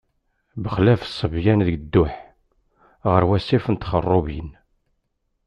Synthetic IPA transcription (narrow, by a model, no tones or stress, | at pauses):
bəχlæfsˤːəvjænðəɡd̪ːʊħ | ʁəɾwæsːifənt̪χərˤːobjḭn